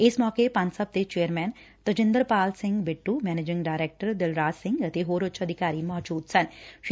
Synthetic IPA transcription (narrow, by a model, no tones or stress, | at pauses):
ɪsmɔːkepɐ̃nsɐp̚d̪et͡ʃeːəɾmɛːn | t̪əd͡ʒɪ̃nd̪əɾpaːlsɪ̃ŋɡbɪʈːumɛːneːd͡ʒɪ̃ŋɡɖaːɪɾeːk̚ʈəɾd̪ɪlɾaːsɪ̃ŋɡɐt̪eɦoːɾʊt͡ʃɐd̪ʱɪkaːɾimɔːd͡ʒuːd̪sɐnʃ